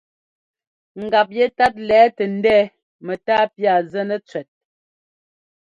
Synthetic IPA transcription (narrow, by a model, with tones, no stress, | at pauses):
ŋ̩˨ɡa˨p̬̚jɛ˦ta˦t̬̚lɛː˨˦tɛ˨n̩˦dɛː˦ | mɛ˨taː˦pja˦˨zɛ˦nə˦t͡sɥɛ˨t̚